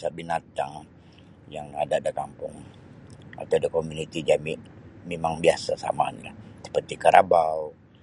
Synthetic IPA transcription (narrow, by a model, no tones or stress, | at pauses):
sabinat̪aŋ | jaŋadadakampʊŋ | a̰t̪adakomunit̪id͡ʒamiʔmemaŋbiasasa̰manlahsə̥pərt̪ikaɾʔabau